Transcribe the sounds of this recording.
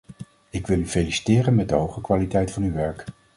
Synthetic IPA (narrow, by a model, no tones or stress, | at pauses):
ɪkʋɪlˠyfelisi̥tɪːrənmɛd̚dəɦowχəkʋaːlitɛjtfɑnyʋɛɹk